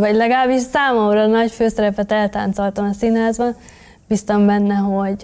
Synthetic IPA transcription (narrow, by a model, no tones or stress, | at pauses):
vɒɟlɛɡɒlaːbiʃsaːmoɒmɾɒnɒɟføːsɛɾɛpɛt̪ɛlt̪a̰ːnt̪so̞lt̪ɒmɒsinɦaːzbɒn | b̥ist̪ɒmbɛnːɛɦo̞ɟ